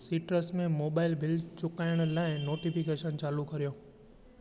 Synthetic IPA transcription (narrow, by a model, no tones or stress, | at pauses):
siːʈɾəsmẽmoːbaːɪlbʱɪlt͡ɕʊkaːɪəɽ̃laːɪnoːʈipɪkeːʃənt͡ɕaːlukɐɾijõː